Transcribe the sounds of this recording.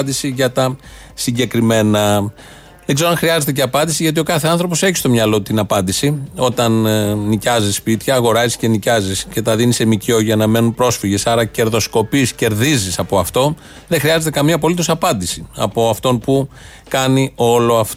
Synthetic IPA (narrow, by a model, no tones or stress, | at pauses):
nd̪isiʝɐt̪ɐ | siɲɟe̞kɾime̞nɐ | ðeɡzɾoɐnxɾiɐze̞t̪̬ece̞ɐpɐnd̪isiʝɐt̪io̞kɐθe̞ɐnθɾo̞po̞se̞çi̥st̪omɲɐlo̞t̪inɐpɐnd̪isio̞t̪ɐnːicɐzisːpit̪çɐːɣo̞ɾɐzisce̞nicɐzisce̞t̪ɐðinisemico̞ʝɐnɐme̞nunpɾo̞sfiʝe̞sɐɾɐce̞ɾðo̞sko̞pisce̞ɾðizisɐpo̞ɐft̪o̞ | ðe̞xɾiɐze̞t̪̬e̞kɐmiɐp̬o̞lit̪o̞sɐpɐnd̪isiɐ̰po̞ɐft̪o̞npu | kɐnio̞lo̞ɐft̪